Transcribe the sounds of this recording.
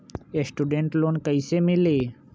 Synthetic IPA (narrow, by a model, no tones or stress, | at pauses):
esʈuɖeɳʈloːnkəjsemile